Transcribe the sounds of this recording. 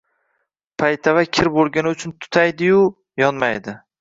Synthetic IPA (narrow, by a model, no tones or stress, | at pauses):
pʰajt̪ʰavakʲʰɪɾbolˠɡʲanɪʊt͡ʃʰʊnt̪ʰʊ̥t̪ʰajd̪ɪjʊ | jɒnmajd̪ɪ